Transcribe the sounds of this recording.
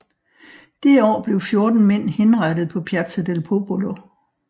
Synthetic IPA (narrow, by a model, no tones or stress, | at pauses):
d̥eɒ̰ːb̥le̝ʊfjo̝ɐd̥n̩men̰he̝nʁɑ̈ɾ̥ð̞̩ˠpʰɒ̽pʰjæɐd̥səd̥elpʰo̝b̥olo̝